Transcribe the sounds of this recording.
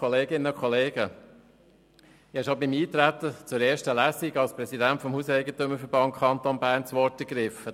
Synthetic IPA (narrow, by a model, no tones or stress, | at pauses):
ɔleːɡɪnːəkʰɔleːɡə | ɛʃobɪmiːt̪ɾæt̪ːət͡sʊɾɛːɾʃtəlæsiɡɑlspɾɛsidæntfɔmhuːsɛɪɡət̪ɵmːəɾfəɾb̥ɑntkʰχɑnt̪ɔnbæːɾnt͡sʋɔɾtəɡɾɪfə